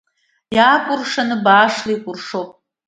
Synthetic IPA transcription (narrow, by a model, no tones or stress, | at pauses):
jaːkʷʼʊrʂanɨbaːʂlajkʷʼʊrʂowpʼ